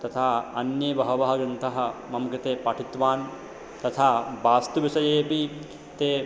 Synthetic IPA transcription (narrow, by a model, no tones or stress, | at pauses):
t̪ɐt̪ʰaːɐnjɐbɐɦɐʋɐɦɐɡɾɐnt̪ʰɐɦɐ̆mɐmkɾit̪eːpɐʈʰit̪ʋaːn | t̪ɐt̪ʰaːbaːst̪uʋisɐjeːpi | t̪eː